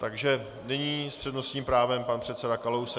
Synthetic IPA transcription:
t̪aɡʒɛ | nɪɲiːspr̝̥ɛdnosɲiːmpɾaːvɛmpanpr̥ɛt̪sɛdakalows

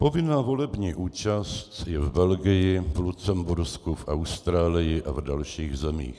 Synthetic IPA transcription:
po̞vɪnaːvo̞lɛbɲiːʔuːt͡ʃast̪jɛvbɛlɡɪjɪvlut͡sɛmbuɾskufʔawst̪ɾaːlɪjɪʔʔavdalʃiːɣzɛmḭːx

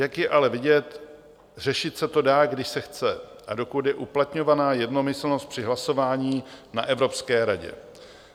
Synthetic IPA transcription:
jakjɛʔalɛvɪɟɛt̪ | r̝ɛʃɪt̪sɛt̪o̞daːɡdɪʃsɛxt͡sɛ | ʔado̞kut̪jɛʔuplat̪ɲo̞vanaːjɛdno̞mɪsl̩nost̪̚pr̥ɪɦlaso̞vaːɲiːnaʔɛvɾo̞pskɛːɾaɟɛ̰

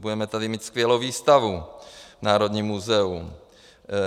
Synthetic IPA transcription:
budɛmɛt̪adɪmiːt̪skvjɛlowviːst̪avunaːɾod̪ɲiːmːuzɛum

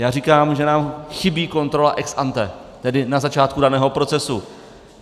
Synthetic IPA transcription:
jaːrikaːmʒɛnaːmxɪbiːko̞nt̪ɾo̞laʔɛksʔant̪ɛ | t̪ɛdɪnazat͡ʃaːt̪kudanɛːɦopɾo̞t͡sɛsu

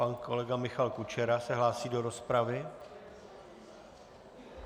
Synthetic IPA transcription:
anko̞̰lɛɡamɪxalkut͡ʃɛɾasɛɦlaːsiːdo̞ɾo̞spɾavɪ

